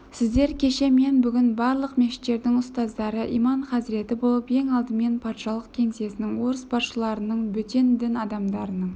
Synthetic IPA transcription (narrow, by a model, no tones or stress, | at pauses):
sɪzd̪e̞ɾkʲʰe̞ʃe̞me̞nbʏɡʲɪnbɑɾlˠəqmeʃɪ̥t̪ːe̞ɾd̪ɪŋʊst̪ɑzd̪ɑɾəʔijmɑɴχɑzɪɾe̞t̪ɪbo̞lˠəpe̞ŋɑlˠd̪əme̞npʰɑt̪ʃɑlˠəqkʲʰe̞ŋse̞sɪnɪŋwo̞ɾəsbɑsʃəlˠɑɾənəɴbʏt̪e̞nd̪ɪnɑd̪ɑmd̪ɑɾənəɴ